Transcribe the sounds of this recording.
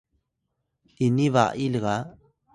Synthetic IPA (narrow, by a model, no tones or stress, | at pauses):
iniβaʔilɣa